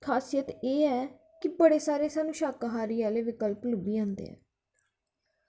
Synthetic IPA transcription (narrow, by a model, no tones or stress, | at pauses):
kʰaːsijət̪eːɛː | kɪbəɽeːsaːɾeːsaːnũːʃaːkaɦaːɾiːaːleːʋɪkəlplʊbiːãːnd̪ḛːɛ̰ː